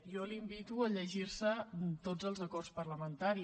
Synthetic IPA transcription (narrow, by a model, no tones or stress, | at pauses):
jɔlimbit̪uəʎəʒirsət̪ozəlˠzəkɔrspərləmənt̪aɾi